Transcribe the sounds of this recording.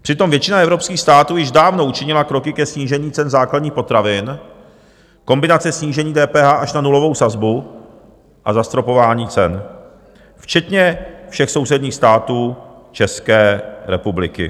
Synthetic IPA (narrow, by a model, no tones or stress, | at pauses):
pr̥ɪt̪o̞mvjɛt͡ʃɪnaʔɛvɾo̞pskiːxst̪aːt̪uːjɪʒdaːvno̞ʔut͡ʃɪɲɪlakɾo̞kɪkɛsɲiːʒɛɲiːt͡sɛnzaːkladɲiːxpot̪ɾavɪn | ko̞mbɪnat͡sɛsɲiːʒɛɲiːdɛːpɛːɦaːʔaʃnanulo̞vo̞wsazbu | ʔazast̪ɾo̞po̞vaːɲiːt͡sɛn | ft͡ʃɛt̪ɲɛfʃɛxso̞wsɛdɲiːxst̪aːt̪uː | t͡ʃɛskɛːɾɛpublɪ̰kɪ̰